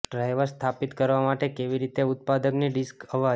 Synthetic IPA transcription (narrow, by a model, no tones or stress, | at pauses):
ɖɾajʋəɾst̪ʰapit̪kəɾʋamaʈekeʋiɾit̪eʊt̪̚pad̪əkniɖiskəʋa